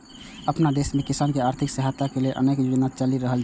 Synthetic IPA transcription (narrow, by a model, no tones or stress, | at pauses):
əpnad̪esmekisankeaɾt̪ʰikseɦat̪ːakelelʔə̰nekjud͡ʒnat͡ʃəliɾəɦəl